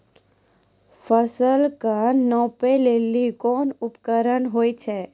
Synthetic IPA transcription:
fʰəsəlkənɔ̃ːpeleːlikɔːnʊpkəɾənɦoːit͡ʃʰɛː

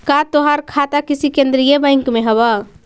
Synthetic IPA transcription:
kat̪oɦəɾkʰat̪akisikend̪ɾijebə̃jŋkmeɦəbə

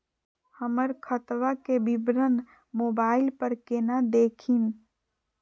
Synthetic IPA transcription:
həməɾkʰət̪ʋakebɪbɾən | moːbaːɪlpəɾkeːnad̪eːkʰin

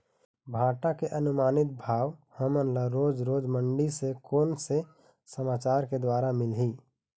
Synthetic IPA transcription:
bʱaːʈakeʔənʊmaːnɪt̪̚bʱaːwhəmənləɾoːd͡ʒɾoːd͡ʒməɳɖisekoːnse | səmaːt͡ʃaːɾked̪waːɾamɪlɦiː

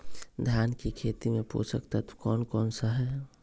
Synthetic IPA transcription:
d̪ʱjaːnkikʰeːt̪imẽpo̰ːsə̰kt̪at̪o̥kɔːnkɔːnsaɦɛ

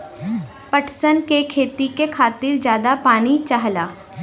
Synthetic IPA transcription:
pəʈʰsənkekʰeːt̪ikekʰaːt̪ɪɾd͡ʒjaːd̪apaːnit͡ʃaɦlaː

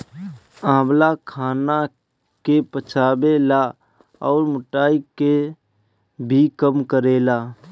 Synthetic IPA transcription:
ãːblakʰaːna | kepət͡ʃʰaːbela | ɔːɾmʊʈaːike | bʱikəmkəɾeːlaː

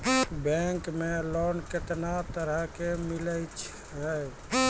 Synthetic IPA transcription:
bɛ̃ŋkmelonket̪nat̪əɾəɦkemiləjt͡ʃʰ | ɦəj

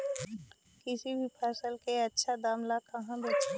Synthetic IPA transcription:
kɪsibʱipʰaːsəlkeɐtːʃʰad̪aːmlakɐɦãbeːt͡ʃʰa

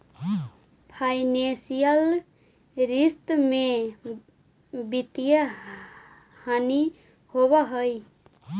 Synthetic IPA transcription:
pʰainesijəl | ɾist̪me | bit̪ijə | hani | hoβəɦəj

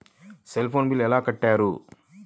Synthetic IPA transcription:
selpʰoːnbilɛlaːkɐʈːaːɾṵ

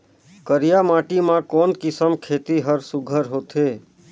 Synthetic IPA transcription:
kəɾijamaʈimãkɔːnkisəmkʰet̪iɦəɾsuɡʱəɾɦot̪e

